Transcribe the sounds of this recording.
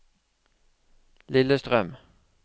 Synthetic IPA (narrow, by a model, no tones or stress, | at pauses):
lɪləst̪ʁœm